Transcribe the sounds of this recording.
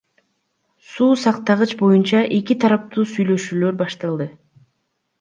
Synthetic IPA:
suːsɑqt̪ɑʁɯt͡ʃbo̞junt͡ʃɑʔe̞kit̪ʰɑɾɑp̚t̪uːsyjlø̞ʃyːlø̞ɾbɑʃt̪ɑlˠd̪ɯ

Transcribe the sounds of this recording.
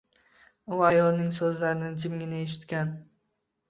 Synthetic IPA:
ʊajɒlnɪŋsɵzlaɾɪnɪd͡ʒɪmɡʲɪnɪeʃ̬ɪ̥t̪kʲan

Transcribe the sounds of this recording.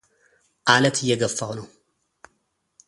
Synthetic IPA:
ʔalət̪ʰɨjːɛɡəfːawnəw

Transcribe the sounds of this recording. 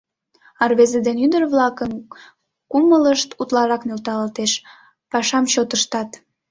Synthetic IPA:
ɑrβezed̪enyd̪ərβlɑkən | kumələʃt̪ut̪lɑɾɑknelt̪ɑlt̪eʃ | pɑʃɑmt͡ɕot̪əʃt̪ɑt̪

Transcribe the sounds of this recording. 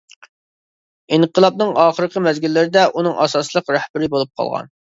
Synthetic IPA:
inqʰəlˠɑp̚nɨŋɑːχəɾəqʰəmɛzɡʲilːɪɾɪd̪ɛʔunɨŋʔɑsɑslˠəqɾɛhbɪɾɪbolˠup̚qʰɑ̰lˠʁɑ̰n

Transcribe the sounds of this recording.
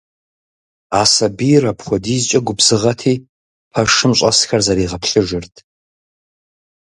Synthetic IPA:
aːsɐbirɐpχʷɔdiːzt͡ʃʼɐɡʷʊbz̥ɨʁɐtʰiː | pʰɐʂɨmɕʷʼɐsxɐrzɐɾiːʁɐpɬɨʒɪrtʰ

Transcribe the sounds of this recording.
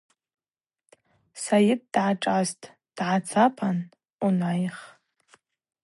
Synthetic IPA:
sajɪt̚ʼdʕaʈ͡ʂʼʕaztʼʰ | d̥ʕat͡sʰapʰan | unajχ

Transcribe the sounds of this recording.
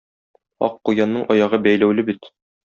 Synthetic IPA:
ɒ̰qːujɑnːɤɴʔɒjɑʁɤbæjlæwlɘbit̪

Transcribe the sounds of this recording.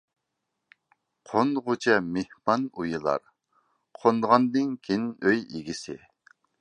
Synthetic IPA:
qʰonʁʊt͡ʃʰɛmehmɑnujɨlˠɑ̰ɾ | qʰond̪ʁɑnd̪ɨŋkʲʰinøjiɡʲisɪ̰

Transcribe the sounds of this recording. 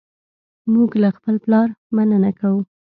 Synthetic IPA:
muɡlaxpəlplɑɾmanənakawu

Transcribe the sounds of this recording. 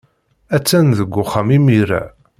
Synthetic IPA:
æt͡sːænðəɡʷːʊχamimiɾæ̰

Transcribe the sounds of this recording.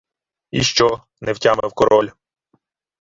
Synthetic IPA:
iʃt͡ʃɔ | nɛwtʲamɛ̰wkɔɾɔlʲ

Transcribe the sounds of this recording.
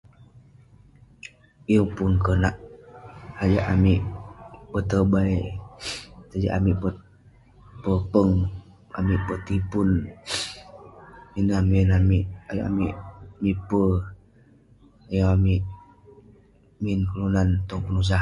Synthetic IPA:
ijəŋpʊnkənaʔ | had͡ʒaʔamiʔpət̪əbai | t̪ad͡ʒa̰ʔamiʔpə | pəpəŋ | a̰miʔpət̪ipun | minaminamiʔaja̰ʔa̰miʔmipə | ajaamiʔ | minkəlunant̪ɔŋpənus̬a

